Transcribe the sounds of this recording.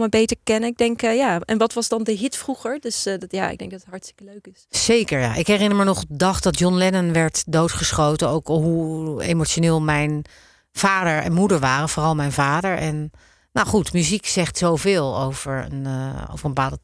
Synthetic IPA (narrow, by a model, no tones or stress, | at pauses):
məbejtəɹkɛnəɪɡ̚dɛŋkjaːɛnʋɑtʋɑzdɑndəɦɪtfruχəɹdɵsjaːɪ̰ɡdɛŋ̚ɡdɑtətɦɑɹtstɪ̥kəløɥkɪsz̥ejkəɹja̰ʔɪkɦɛrɪnəɹməɹnɔχdɑχdɑtjɔnlɛnənʋɛɹtdowtχəsχowtənowkɦuḛjmot͡ʃonɪːlˠmɛjn | v̥aːdəɹɛ̰nmudəɹʋaːrəvoːrɑlˠmɛjnvaːdəɹɛnː | owχutmyziksɛχtsowvɪːlˠo̰wvəɹə̰no̰wvəɹəmbəpaːlˠdə